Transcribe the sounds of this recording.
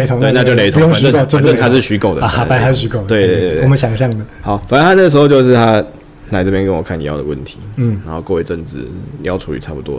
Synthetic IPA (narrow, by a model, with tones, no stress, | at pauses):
e˧˥ɪt̪ʰo˧˦ŋe˥˧na˧t͡ɕo˥˧ʊne˧˥ɪt̪ʰõ˧˥˦ə˥˨o˨t͡ɕə˥˨nt̪ʰa˥ʂɻ̩˥˩ɕy˧˥ko˨˩ʊd̪ə̰˨˧ha˨˥pa˥˩ɪha˧˦ʂɻ̩˥˩ɕy˧˥ko˨ʊd̪t̪we˥˧t̪e˥˧e˧˩˨ɔ˨mə˦nɕjɑ˨˩ŋɕjɑ˥˨ŋd̪ə˩xɑ˨˦ʊfa˨˩nə˥nʰa˥nə˥˩ɡə˩ʂɻ̩˧xo˥˧ʊt͡ɕjo˥˧ʊʂ̬ɻ̩˥˩t̪ʰa˦ | na˧˥ɪʈ͡ʂɤ˥˧pjɛ˥kə˦nwɔ˨˩kʰa˥˩nḭ˨˩jɑ˥˩ʊd̪ə˩wə̰˥˩nt̪ʰi˨˧˦na˨˦nxo˥˧kwə˥˧we˥˧ɪʈ͡ʂə˥˩nt͡sɻ̩̰˨˩jɑ˥ʊʈ͡ʂʰu˧˥ḭ˨˩t͡sʰa˥˩pu˨˩t̪wɔ̰˧˦